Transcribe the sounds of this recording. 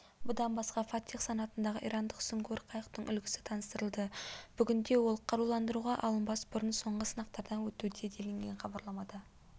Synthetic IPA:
bʊd̪ɑnbɑsqɑfɑt̪ʲiqsɑnɑt̪ənd̪ɑʁəʔḭjɾʔɑnd̪əqsʏŋkʲʰoɾqʰɑjəqt̪əɴʔʏ̰lɡʲɪ̥sɪ̥t̪ʰɑnəst̪əɾəlˠd̪əb̥ʏɡʲɪnd̪e̞wo̞lˠqʰɑɾulˠɑnd̪əɾuʁɑʔɑ̰lˠənbɑsbʊɾənso̞ɴʁəsənɑq̚t̪ɑɾd̪ɑnwɵt̪ud̪ed̪e̞lɪŋɡʲe̞nχɑbɑɾlˠɑmɑd̪ɑ

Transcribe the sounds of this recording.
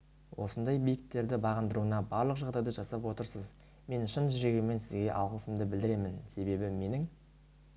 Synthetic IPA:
wʔo̞sənd̪ɑjbijɪkt̪ːe̞ɾd̪ɪbɑʁənd̪əɾuənɑbɑɾlˠəqʒɑʁd̪ɑjd̪əʒɑsɑpwo̞t̪əɾsəz | me̞nʃənʒʏɾe̞ɡʲeme̞nsɪzɡʲe̞ʔɑwʁəlˠsəmd̪ɪbɪld̪ɪɾe̞mɪnse̞be̞bɪme̞nɪŋ

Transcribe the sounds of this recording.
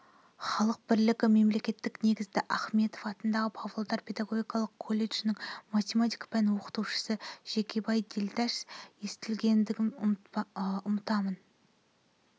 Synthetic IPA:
χɑlˠəq̚bɪɾlɪkʲɪme̞mle̞kʲe̞t̪ːɪkne̞ɡʲɪzd̪ɪʔɑχme̞t̪ofɑt̪ənd̪ɑʁəpʰɑvlˠod̪ɑɾpʲʰe̞d̪ɑɡo̞ɡʲijkɑlˠəqkʰːo̞lʲːe̞ʃnɪŋmat̪ʲemat̪ikpʰænwo̞qə̥t̪uwʃə̥səʒ̥e̞kʲʰebɑjd̪elʲd̪æʃje̞st̪ɪlɡʲe̞nd̪ɪɡʲɪn | ʊmət̪ɑmən

